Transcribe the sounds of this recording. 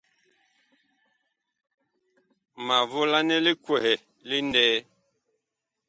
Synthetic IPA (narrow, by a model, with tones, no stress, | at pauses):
ma˨vo˦la˦nɛ˦li˦kwɛ˨hɛ˨ | li˦ndɛː˦